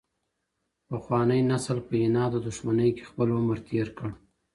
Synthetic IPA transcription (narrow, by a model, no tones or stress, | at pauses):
pəxwɑnəjnasəlpəɪnɑd̪əd̪ʊʃmanəjke̥xpəlʊməɾt̪ʰeɾkəɽ